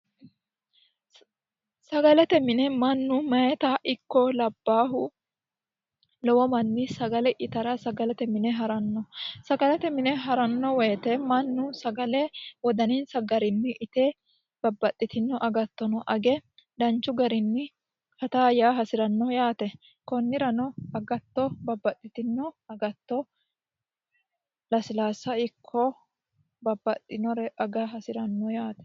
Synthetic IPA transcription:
sɐɡɐlɛt̪ɛmɪnɛmɐnːʊmɐjɛt̪aʔɪkːɔlɐbːaːɦʊ | lɔwɔmɐnːisɐɡɐlɛʔɪt̪ɐɾɐsɐɡɐlɛt̪ɛmɪnɛɦɐɾɐnːɔsɐɡɐlɛt̪ɛmɪnɛɦɐɾɐnːɔwɛjt̪ɛmɐnːʊsɐɡɐlɛwɔd̪ɐninsɐɡɐɾɪnːɪʔɪt̪eː | b̥ɐbːɐt̪ʼːɪt̪ɪnːɔʔɐɡɐt̪ːɔnɔʔɐɡɛd̪ɐnt͡ʃːʊɡɐɾɪnːɪ | hɐt̪aːjaːɦɐsɪɾɐnːɔjaːt̪ɛ | kɔnːɪɾɐnɔɐɡɐt̪ːɔbɐbːɐt̪ʼːɪt̪ɪnːɔɐɡɐt̪ːɔ | lɐsɪlaːsːɐɪkʰːɔ | bɐbːɐt̪ʼːɪnɔɾɛʔɐɡaɦɐsɪɾɐnːɔjaːt̪ɛ̥

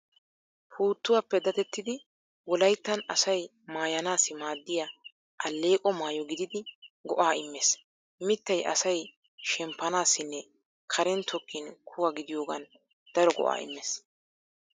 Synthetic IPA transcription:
pʰuːt̪ːʊwapːɛd̪ɐt̪ɛt̪ːɪd̪ɪ | wɔlɐjt̪ːɐnɐsɐj | maːjɐnaːsɪmaːd̪ːɪja | ʔɐlːe̞ːkʼɔmaːjɔɡɪd̪ɪd̪ɪɡɔʔaːɪmːɛs | mɪt̪ːɐjʔɐ̰sɐj | ʃɛmpːɐnaːsːɪnːɛ | kʰɐɾɛnt̪ʰɔkʰːɪnkʰʊwɐɡɪd̪ɪjoːɡɐn | d̪̥ɐɾɔɡɔ̰ʔa̰ːɪ̰mːeːs

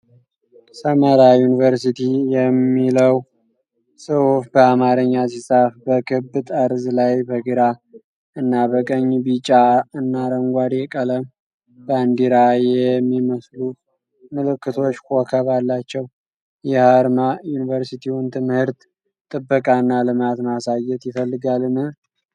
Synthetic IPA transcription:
səməɾajunivəɾsit̪ʰijɛmːiləw | sɨhufbəamaɾəɲːasisʼafbəkʰɨbɨt̪ʼəɾzlajbəɡɨɾa | ɨnːabəkʼəɲːbit͡ʃʼːaɨnːaɾəŋɡʷad̪jɛkʼələm | bənd̪iɾajɛmːiməslu | mɨlɨkːɨt̪ʰo̞t͡ʃːkʰokʰəβalːat͡ʃːɛw | jɛhaɾmajunivəɾsit̪ʰiwʊnt̪ʰɨmhɨɾt̪ | t̪ʼɨbːəkʼaɨnːalɨmat̪masajːɛt̪jɪfəlːɨɡalɨnɨ

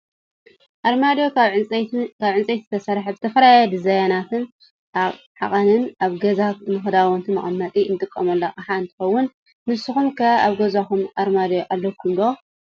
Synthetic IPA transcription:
ʔaɾmad̪jo | kʰaβʕɨnt͡sʼejt̪zɨt̪ʰɐsɐɾħazɨt̪ʰɐfɐlajad̪ɨzajanat̪ɨn | ʔaβ | ħa̰χʼɐnɨnaβɡɐzat̪nɨxɨd̪awɔnt̪ʰɨmɐ̰χʼɐnːat̪ʼiɨnt̪ʼɨkʼːɐmɐlːoʔʼaħaɨnt̪ʰɨ̥xɐwːʊn | mɨsɨxumkʰɐaβɡɐzakumʔaɾmad̪joʔalːɐkʰːumd̪o

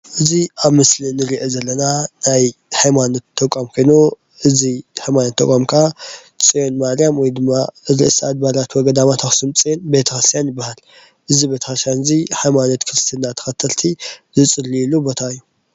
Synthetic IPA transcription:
ʔɨziaβmɨslinɨɾiʔezɐlːɐnanajħajmanot̪ʰːɐkʼːamkʰojno | ʔɨzihħajmanot̪ʰːɐ̰kʼomkʰa | t͡sʼijonmaɾjamwɔjd̪ɨmːaɾɨ̰ʔɨsad̪̚balat̪wɔɡɐd̪amat̪ʰaxsɨmt͡sʼijonbe̞t̪ʰɐxɾst̪ʰjanjɪbːahal | ʔɨzibet̪ʰɐxst̪ʰjanɨziħajmano̞t̪kʰɾɨst̪ʰinːat̪ʰːɐ̥xɐt̪ʰɐlt̪ʰizɨt͡sʼɨlːilubot̪ʰaɨjːu

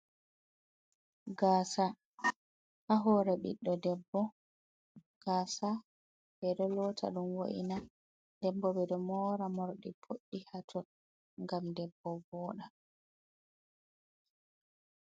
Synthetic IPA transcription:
ɡaːsa | haɦɔɾɛɓḭɗːɔdɛbːɔ | ɡ̥aːsa | bɛɗɔlɔtʰa̰ɗumwo̰ʔḭna | dɛbːɔbɛɗɔmɔɾamɔɾɗipʰoɗːihatʰɔ | ŋɡamdɛbːɔbɔːɗa

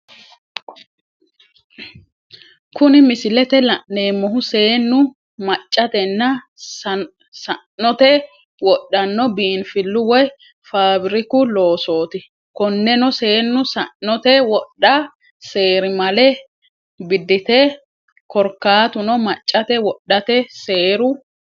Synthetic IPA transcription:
kʊnɪmɪsɪlɛt̪ɛlɐʔne̞ːmːɔɦʊse̞ːnːʊ | mɐt͡ʃʼːɐt̪ɛnːɐ | sɐnːɔt̪ɛ | wɔɗːɐnːɔbiːnfɪlːʊwɔj | faːbɪɾɪkʊlo̞ːso̞ːt̪ɪ | kɔnːɛnɔseːnːʊsɐnːɔt̪ɛwɔɗːɐ | se̞ːɾɪmɐlɛ | bɪd̪ːɪt̪ɛ | kɔɾkːaːt̪ʊnɔmɐt͡ʃʼːɐt̪ɛwɔɗːɐt̪ɛse̞ːɾʊ

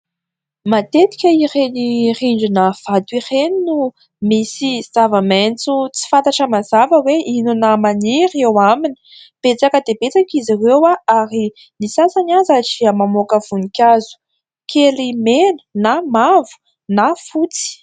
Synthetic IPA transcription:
mat̪et̪i̥kʲəireniriɳɖ͡ʐinav̥at̪uireninu | misiz̥avəment͡sut͡si̥fant̪aʈ͡ʂəmazavəweʔinunamaniɾewamini̥ | b̥et͡sakəd̪ebet͡sakiziwewaaɾi | nisasanazaʈ͡ʂiəmamokəv̥unikʲazu̥ | kʰelimenə̥namavu̥ | nafut͡si̥

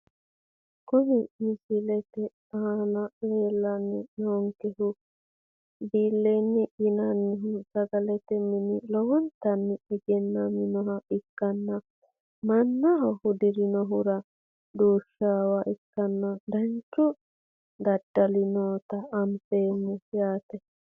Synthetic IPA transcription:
kʊnɪmɪsɪlɛt̪ɛ | aːnɐleːlːɐnːɛnoːŋkɛhʊ | biːlːɛnːɛʔɪnɐnːɪɦʊsɐɡɐlɛt̪ɛmɪnɪlɔwɔnt̪ɐnːɪɛɡɛnːɐmɪnɔɦɐʔɪkːɐnːɐ | mɐnːɐɦɐhʊd̪ɪɾɪnɔɦʊɾɐ | d̪uːʃːaːwɐʔɪkːɐnːɐd̪ɐnt͡ʃːɔ | d̪ɐd̪ːɐlɪnoːt̪ɐːmpeːmːʊjaːt̪ɛ

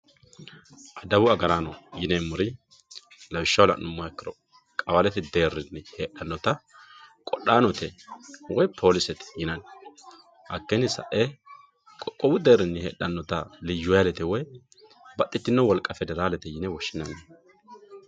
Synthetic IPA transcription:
ʔɐd̪ɐbʊɐɡɐɾaːnɔjɪnemːʊɾɪ | lɐwɪʃːɐwlɐ̰ʔnʊmːɔɐkːɪɾɔ | kʼɐwɐlɛt̪ːɪd̪e̞ːrːɪnːɪheːᶑɐnːɔt̪ɐ | kʼɔɗːaːnɔt̪ɛwɔjpʰo̞ːlɪsɛt̪ɪ̥jɪnɐn | hɐkːɛnːɪsɐ̰ʔe | kʼɔkʼːɔbʊd̪e̞ːrːɪnːɪhḛːᶑɐnːɔt̪ɐlɪd͡ʒʊɐlɛt̪ɛwɔj | bɐt̪ʼːɪt̪ːɪnːɔwɔlkʼɐfɛd̪ɛɾaːlɛt̪ɛjɪnɛwɔʃːɪnɐnːɛ

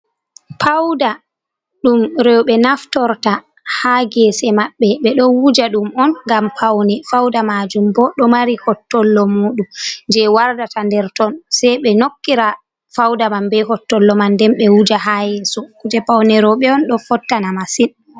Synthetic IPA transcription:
pʰawda | ɗumɾɛwɓɛnaftɔɾta | haɡɛsɛmaɓːɛɓɛɗɔwud͡ʒaɗumɔnŋɡampʰawnɛfawdamad͡ʒumbɔɗɔmaɾihɔtːɔlːɔmuːɗumɲd͡ʒɛwaɾdatandɛɾtɔnsɛjɓɛnokːiɾa | fawdamambɛɦɔtːɔlːɔmandɛmɓɛwud͡ʒaɦajɛsɔkud͡ʒɛpawnɛɾɔɓɛɔnɗɔfɔtːanamasin

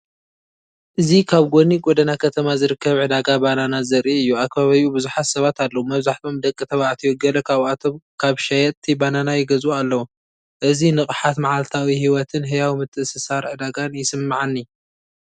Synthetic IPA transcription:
ʔɨzikʰaβɡoniɡʼod̪ɐnakʰɐt̪ʰɐmazɨɾɨkːɐβʕɨd̪aɡabananazɐɾiɨjːuakʰːβaβɐjubɨzuħat̪sɐβat̪ʰalːɐwumɐβzaħt̪ʰo̞md̪ɐkʼːɨt̪ʰɐβaʕt̪ʰiwɔɡɐlɐkʰaβat̪ʰo̞mkʰaβʃɐjɛt̪ʰːibananajɪɡɐzualːɐwu | ʔɨzinɨχʼħat̪maʕalt̪ʰawihiwɔt̪ʰɨnɦɨjawimɨt̪ʰːɨʔɨsɨsaɾʕɨd̪aɡanjɪsɨmːaʕanːi

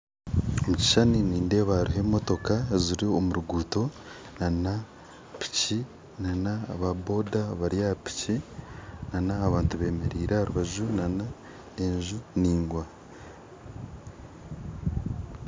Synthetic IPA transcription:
omuci̥ʃaniniːnde̞ːβaɾuɦe̞mo̞to̞kaziɾio̞muɾuɡuːto̞ | nana | pi̥ci | nanaːβabo̞ːdaβaɾiapi̥ci | nanaːβaːntuβe̞ːme̞ɾiːɾehaɾuβaʒunana | eɲʒuniːŋɡwa

